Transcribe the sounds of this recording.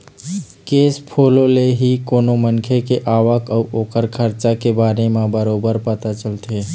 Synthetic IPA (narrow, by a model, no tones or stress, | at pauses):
keːspʰoːloleɦikoːnomənkʰekeʔaːʋəkɔʔoːkəɾkʰəɾt͡ʃakebaːɾemãbəɾoːbəɾpət̪at͡ʃəlt̪e